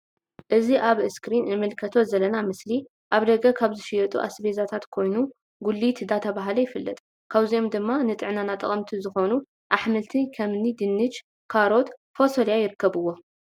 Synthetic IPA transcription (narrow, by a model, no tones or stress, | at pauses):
ʔɨziʔaβɨskɾinɨmɨlkʰɐt̪ʰo̞zɐlɐnamɨsli | ʔaβd̪ɐɡɐkʰaβzɨʃijɐt̪ʼṵʔa̰sbezat̪ʰat̪kʰo̞jnu | ɡulːit̪d̪at̪ʰɐβaɦlɐjɪfɨlːɐ̰t̪ʼ | kʰaβzio̞md̪ɨmːanɨt̪ʼɨʕnanat̪ʼɐ̰χʼɐmt̪ʰizɨxo̞nu | ʔaħmɨlt̪ʰikʰɐmnid̪ɨnːɨt͡ʃ | kʰaɾo̞t̪fosoljajɪɾɨkːɐβɨwːo